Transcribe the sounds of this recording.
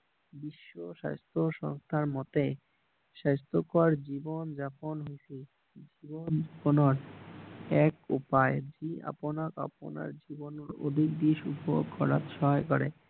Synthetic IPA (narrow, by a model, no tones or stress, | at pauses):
biʃːoʃa̰st̪ʰoʃɔ̰ŋst̪ʰaɾmɔt̪e | ʃast̪ʰokoɾd͡ʑibond͡ʑaponɦusi | d͡ʑibond͡ʑaponoɾ | ɛkupaed͡ʑia̰ponaka̰po̰na̰ɾd͡ʑibonoɾo̰d̪ʱik̚d̪iʃupoɡkʰːɔɾa̰t̪ʃɔɦajkɔɾe